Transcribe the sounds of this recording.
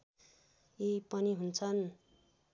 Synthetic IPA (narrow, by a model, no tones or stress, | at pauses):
ipʌniɦunt͡sʰʌn